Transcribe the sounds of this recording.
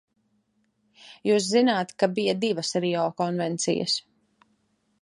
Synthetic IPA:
juːs̬zinaːt̪kabijɐd̪ivɐsɾiɔːkɔnvɛnt̪sḭjɐ̰s

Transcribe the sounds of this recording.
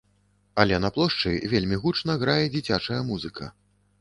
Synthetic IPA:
ɐlʲɛnɐplˠɔʂt͡ʂɨvʲelʲmʲiɣut͡ʂnɐɣɾajɛd͡zʲit͡sʲat͡ʂɐjɐmuzɨkʰɐ̰

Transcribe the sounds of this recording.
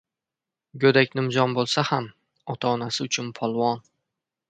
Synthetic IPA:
ɡʲɵd̪akʲnɪmzɒnbolˠsaham | ɒt̪ʰaɒnasɪʊt͡ʃʰʊnpʰɒlˠwɒn

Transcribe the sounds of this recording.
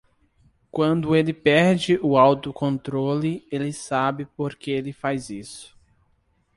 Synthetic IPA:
kwɐ̃nd̪ʊelɪpɛɾd͡ʒɪʔʊawt̪ʊkõnt̪ɾolɪelɪsabɪpoɾkeelɪfajzisʊ̥

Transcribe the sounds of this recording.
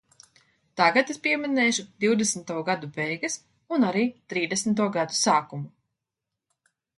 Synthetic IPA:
t̪aɡat̪espiɛminɛːʃud̪̥iwd̪esmt̪uɔɡad̪ubɛjɡɐs | unaɾiːt̪ɾiːd̪esmt̪uɔɡad̪usaːkumu

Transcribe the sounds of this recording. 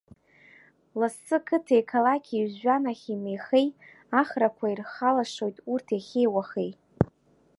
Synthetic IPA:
lasːɨkʰɨtʰejkʰalakʲʰizɥᶣanaχʲimejχej | aχrakʷʰairχalaʂo̞jtʼurtʰeχʲejwaχej

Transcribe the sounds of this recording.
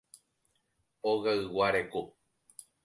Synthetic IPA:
oɣaɨwaɾeku

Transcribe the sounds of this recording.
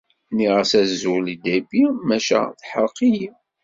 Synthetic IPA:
niʁəsæzːulid̪æbimæʃæ̰θħəɾqiji

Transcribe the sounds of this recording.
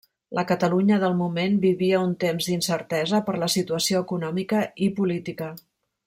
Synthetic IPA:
lʔəkət̪əluɲəðəlˠmumenbiβiəunt̪emzd̪insəɾt̪ɛzəpəɾləsit̪uəsioəkunɔmikəipulit̪ikə

